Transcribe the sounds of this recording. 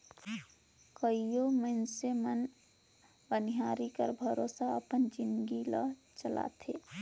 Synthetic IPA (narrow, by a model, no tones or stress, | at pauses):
kəijomənsemən | bəniɦaɾikə̰ɾbʱəɾoːsaəpənd͡ʒinɡilə̰ | t͡ʃəla̰t̪ʰḛ